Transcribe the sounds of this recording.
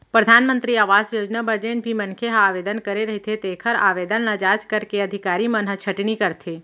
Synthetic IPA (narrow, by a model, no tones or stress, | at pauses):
pɾəd̪ʱaːnmə̃nt̪ɾiaːʋaːzjoːd͡ʒnabəɾd͡ʒeːnbʱimɐ̃nkʰeɦaaːʋeːd̪ənkɐɾeɾɐɦit̪ʰet̪eːkʰəɾaːʋeːd̪ənlad͡ʒaːd͡ʒkɐɾkeɐd̪ʱɪkaːɾimɐnɦət͡ʃʰɐʈnikɐɾt̪ʰeː